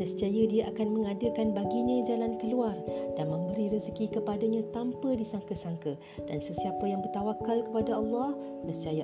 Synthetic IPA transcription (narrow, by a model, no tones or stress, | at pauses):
nə̃st̪iajədiaʔakanmə̃ŋadəkanbaɡiɲãd͡ʒalankəluard̥anmə̃mbəɾiɾəzkikəpadaɲãt̪ampədisaŋkəsaŋkə | d̥ansəsiapajaŋbərt̪awakːalkəpadaɑlːɑh | nə̃st̪iaja